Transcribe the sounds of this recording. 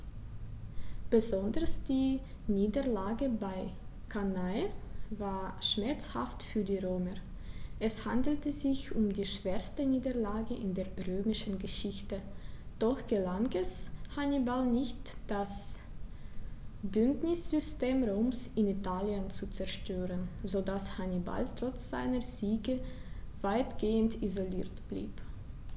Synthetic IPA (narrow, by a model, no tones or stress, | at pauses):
b̥əzɔndəʁsd̥iː | niːdəlaːɡəbaɪ | kʰanaɪvaːɐʃmɛɐt͡sha̰ftfyːɐdiːʁøːmə | ʔɛshandl̩təzɪçʊmdiːʃv̥eːɐstəniːdɐlaːɡəʔɪ̰ndeːɐʁøːmɪʃn̩ɡəʃɪçtəd̥ɔxɡ̥əlaŋɛshanibalnɪçtd̥as | b̥ʏntnɪsz̥ʏsteːmʁoːmsɪnitaːljənt͡sut͡sɛɐʃtøːʁənzodashaniba̰ltʁ̥ɔt͡sz̥a̰ɪnəziːɡə | v̥aɪtɡ̥eːəntizoliːɐtb̥lḭːp